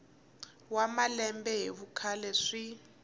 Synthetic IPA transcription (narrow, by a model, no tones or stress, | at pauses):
wamalɛmbɛɦeβukʰalɛʂi